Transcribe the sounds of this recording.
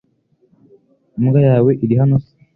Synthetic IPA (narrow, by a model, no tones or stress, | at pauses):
mɡajaːwe̞ʔiɾiɦanosi̥